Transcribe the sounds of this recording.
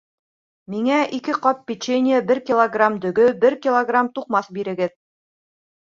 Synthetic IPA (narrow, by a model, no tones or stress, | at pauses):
miŋæʔikɘqɒpːʲit͡ɕenʲɪjəbɘɾkʲilˠoɡramd̪ɵ̆ɡɵbɘɾkʲilˠoɡramt̪uqmɑsbiɾɘ̆ɡɘð